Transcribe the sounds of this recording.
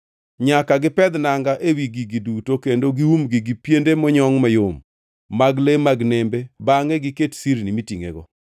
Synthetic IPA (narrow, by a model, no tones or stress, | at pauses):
ɲakaɡɪpɛd̪naŋɡaʔewiɡiɡidutokendoɡiwumɡiɡipjendemɔɲɔŋmajomː | aɡlemaɡnembebaŋɛɡɪketsiɾnimitiŋḛɡɔ̰